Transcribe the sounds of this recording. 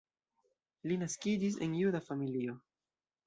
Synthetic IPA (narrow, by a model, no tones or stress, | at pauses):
linaskid͡ʒis̬e̞̰njudafamilio̞